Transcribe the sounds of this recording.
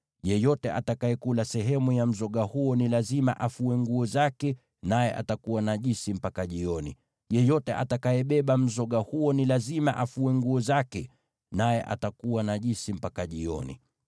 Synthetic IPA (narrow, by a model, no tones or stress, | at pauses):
ʄɛjɔtɛʔa̰takajɛkulasɛɦɛmujam̩zɔɠahuɔnilazima̰ʔafuwɛŋɡuɔzakɛ | najɛʔa̰takuwanaʄisim̩pakaʄiɔnḭ | ʄɛjɔtɛʔa̰takajɛɓɛɓam̩zɔɠahuɔnilazima̰ʔafuwɛŋɡuɔzakɛ | najɛʔa̰takuwanaʄisim̩pakaʄiɔ̰nḭ